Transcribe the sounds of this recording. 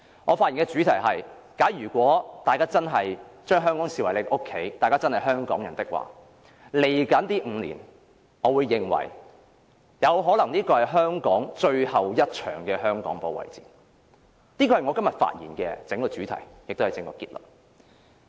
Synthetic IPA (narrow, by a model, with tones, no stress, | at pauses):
ŋɔː˨˧faː˧jiː˨˩nkɛ˧t͡ʃyː˨˥t̪ʰɐ˨˩jɦɐ˨jkaː˨˥jyː˨˩kʷɔː˨˥t̪aː˨jkaː˥t͡sɐ˥nɦɐ˨jt͡ʃœː˥ŋɦœː˥ŋkɔː˨˥ŋsiː˨wɐ˨˩jle˨˧ʔo˥kʰːe˨˥jt̪aː˨jkaː˥t͡sɐ˥nhɐ˨jɦœː˥ŋkɔ̰ː˨˥ŋjɐ˨˩nt̪ɪ˥k̚wa̰ː˨ | le˨˩jkɐ˨˥nt̪iː˥ŋ̩ː˨˧lḭː˨˩n | ŋɔː˨˧wuː˨˧jːɪ˨ŋwɐ̰˨˩j | jɐ˨˧wɦɔː˨˥lɐ˨˩ŋniː˥kɔː˧hɐ˨˩jɦœː˥ŋkɔː˨˥ŋt͡ʃɵ˧ɥhɐ˨wjɐ˥t̚t͡ʃʰœ̰ː˨˩ŋkɛː˧ɦœː˥ŋkɔː˨˥ŋpo˨˧wɐ̰˨˩jt͡siː˨ | niː˥kɔː˧hɐ˨jŋɔː˨˧kɐ˥mjɐ˨t̚fa̰ː˧t̚jḭː˨˩nkɛː˧t͡sɪ˨˥ŋkɔː˧t͡ʃyː˨˥t̪ʰɐ̰˨˩jjk̚t̪wɐ˨jt͡sɪ˧ŋkɔ̰ː˧kiː˧t̚lə̰˨˩t̚